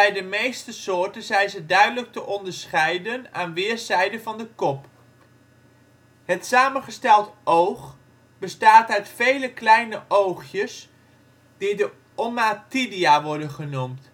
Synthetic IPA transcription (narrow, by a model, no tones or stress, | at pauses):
bɛjdəmejstəsʊːɹtənzɛjnzədœɥdələk̚təʔɔndəɹsχɛjdənaːnʋɪːɹzɛjdəvɑndəkɔp | hətsaːmənχəstɛlˠtʔowχ | b̥əstaːtœɥtfejləklɛjnəʔowχjəs | d̥idə | ʔɔmatidiaʋɔɹdənχənumt